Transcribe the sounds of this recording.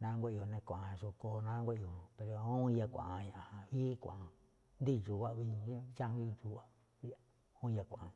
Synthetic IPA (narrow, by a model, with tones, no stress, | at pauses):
nã˦ŋɡʷe˦˨˧o˧nẽ˧kʷã˨ã˧ʃo˧ko˧nã˦ŋɡʷe˦ʔo˨˧pe˧ɾo˧õ˦˧ja˧kʷã̰˨ʔã˧ɲã˧ʔa˨hã˧βi˦kʷã̰˨ʔa˧ | nd̪i˦˨ʐu˨wa˦ʔβi˧˦t͡ʃa˦i˧t͡ʃu˧wa˦ | a | õ˦˧ja˧kʷã˨ã˧